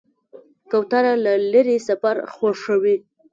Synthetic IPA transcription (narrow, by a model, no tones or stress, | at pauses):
kawt̪aɾalaləɾesafaɾxwaʂəwi